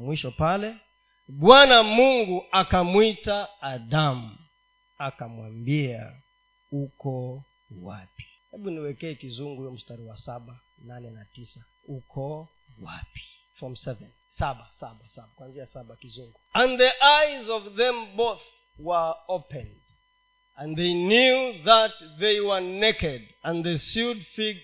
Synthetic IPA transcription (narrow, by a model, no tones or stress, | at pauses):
mwiʃɔpalɛ | ɓwanamuŋɡuʔakamwitaːdam̩ | akamwambia̰ | ukɔ | wa̰pi̥hɛɓuniwɛkɛɛkizuŋɡuiɔm̩staɾiwasaɓananɛnatisa | ukʰɔ | wa̰pi̥ | fɹɔmsɛvɛ̃n | sabasaɓasaɓakwãnziasaɓakizuŋɡuãnðiʔajzɔvðɛ̃mboθ | wə˞opɛ̃nd | ãnðenjuðat̚ðeɪwə˞nɛkɛd | ãnðəsudfiɡ